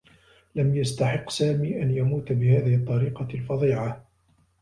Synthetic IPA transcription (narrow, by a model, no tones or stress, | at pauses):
lamjast̪aħɪqːsaːmiːʔanjamuːt̪bɪhaːðɪhɨt̪ˤːɑɾiːqɑlfɑðˤiːʕa